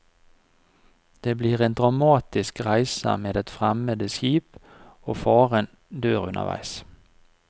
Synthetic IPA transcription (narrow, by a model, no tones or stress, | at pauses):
d̪̥eːbliːʁeːnd̪ʁɑmɑːt̪ɪskʁæɪsə̰meːd̪ɛt̪fʁɛməd̪əsiːp | oːfɑːʁən | d̪øːʁʉ̰nʔə̰ʋæ̰ɪs